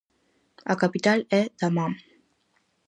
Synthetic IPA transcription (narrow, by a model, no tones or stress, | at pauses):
akapit̪alɛd̪̥amam